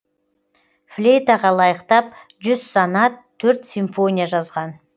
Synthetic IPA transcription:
flʲejt̪ɑʁɑlˠɑjəqt̪ɑp̚ | ʒʏz̥sɑnɑt̪ʰːɵɾt̪sʲiɱfo̞nʲijaʒɑzʁɑn

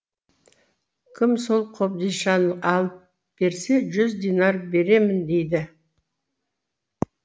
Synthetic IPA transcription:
kʲʰɪmso̞lˠqʰo̞p̚d̪ijʃɑnəɑlˠəp̚ | b̥e̞ɾse̞ʒʏzd̪enɑrbe̞ɾe̞mɪnd̪e̞jd̪ɪ

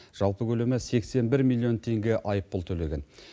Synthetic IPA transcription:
ʒ̥ɑlˠpəkʲʰɵle̞mɪse̞kse̞nbɪɾmilˠːio̞nt̪ʰe̞ŋɡʲe̞ʔɑjəpːʊlˠt̪ʰɵle̞ɡʲe̞n

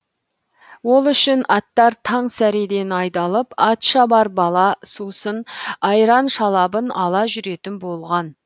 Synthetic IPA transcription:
wo̞lˠʏʃɪnɑt̪ːɑɾt̪ʰɑɴsæɾed̪e̞nɑjd̪ɑlˠəpɑt̪ʃɑbɑɾbɑlˠɑsusənɑjɾɑnʃɑlˠɑbənɑlˠɑʒʏɾe̞t̪ɪnbo̞lˠʁɑn

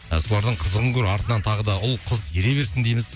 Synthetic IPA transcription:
so̞lˠɑɾd̪əɴqʰəzəʁəŋkʲʰɵɾɑɾt̪ənɑnt̪ʰɑʁəd̪ɑʊlˠqʰʊzeɾe̞be̞ɾsɪnd̪ejmɪz

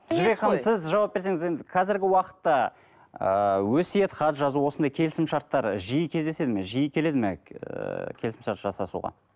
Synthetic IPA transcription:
t̪ʰɪʒbekχɑəmsɪzʒɑwɑp̚be̞ɾse̞ŋɪze̞nd̪ɪqʰɑzɪɾɡʲɪwɑqə̥t̪ːɑ | əwɵsjet̪χɑt̪ʒɑzuwo̞sənd̪ɑjkʲʰe̞lɪsɪmʃɑɾt̪ːɑɾʒijəkʲʰe̞zd̪e̞se̞d̪ɪmeʒijəkʲʰele̞d̪ɪme | kʲʰe̞lɪsɪmʃɑɾt̪ʒɑsɑsṵʁɑ̰

